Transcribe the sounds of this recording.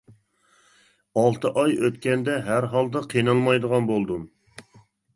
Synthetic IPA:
ɑlˠt̪ʰəʔɑjøt̪kʲɛnd̪ɛɦæɾɦɑlˠd̪ɑqʰijnɑlˠmɑjd̪əʁɑnbolˠd̪um

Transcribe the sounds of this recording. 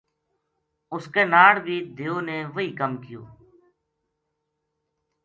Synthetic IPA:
ʊskeːnaːɽbiːd̪ʱeːoːneːʋəiːkəmkɪjo̰ː

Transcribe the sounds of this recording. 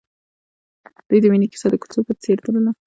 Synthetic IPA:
d̪̥ujd̪əwinikɪ̥sɑd̪əkʊ̥t͡sopət͡seɾd̪ələla

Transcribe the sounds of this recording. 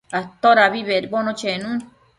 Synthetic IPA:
at̪oɾaβiβeɾbonõt͡ʃenũn

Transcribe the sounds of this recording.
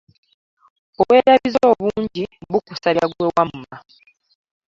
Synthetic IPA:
oβwe̞ːɾaβizooːβuːɲɟiβukusaɾaɡwewamma

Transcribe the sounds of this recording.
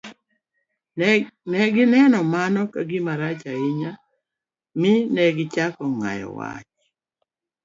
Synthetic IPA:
nɛɡɪnɛnɔmanɔkaɡɪmaɾat͡ʃaɪɲa | mɪnɛɡɪt͡ʃakɔŋa̰jɔ̰wa̰t͡ʃ

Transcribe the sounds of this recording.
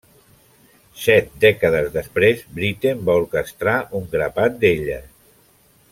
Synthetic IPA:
sɛt̪̚d̪ɛkəðəzðəspɾezbɾit̪embauɾkəst̪ɾaʔuŋɡɾəpat̪̚d̪eʎə̰

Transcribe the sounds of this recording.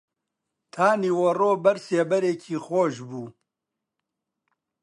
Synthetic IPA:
t̪ʰaːniːwɐroːbɐɾseːbɐɾeːkʰiːxoːʒbuː

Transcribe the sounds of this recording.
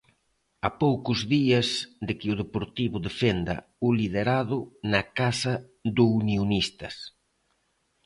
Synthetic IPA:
apowkʊzðiɐsd̪ɪkɪʊð̞epoɾt̪iβʊðefend̪ɐ̰ʊlið̞eɾað̞ʊnɐkasɐ | d̪ʊunionist̪ɐs

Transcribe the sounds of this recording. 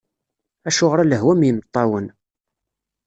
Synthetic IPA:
æʃʊʁɾæləɦwæmjəmt̪ˤːɑwən

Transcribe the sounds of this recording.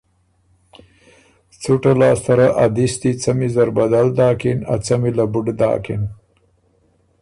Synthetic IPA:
t͡suʈalɑːst̪aɾaʔad̪ist̪it͡samizaɾbad̪ald̪ɑːkina̰t͡samilabuɖd̪ɑ̰ːkḭn

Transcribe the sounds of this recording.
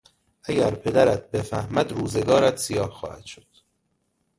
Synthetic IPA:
ʔæɟæɾpʰe̞d̪æɾæt̪̚ʰbefæhmæd̪ɾuːzeɡɒːɾæt̪sijɒːhxɒ̰ːhæ̰d̪̥ʃod̪̥

